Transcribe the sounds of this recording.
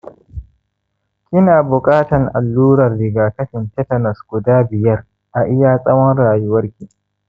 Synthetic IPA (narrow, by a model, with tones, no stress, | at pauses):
kʲɪ˦naː˨bʊ˨kʼaː˦tɐ˨ŋʔa˨lːuː˦ɾɐ˨rːɪ˨ɡaː˨kɐ˦ɸɪ˨ntɛ˦tɐ˨nɐ˨sɡ̥ʊ˨daː˦bɪ˨jɐ˦r | ʔa˨ʔɪ˦jaː˦sʼɐ˦wɔ˦nɽaː˨jʊ˦wɐ˦rkʲi˦˨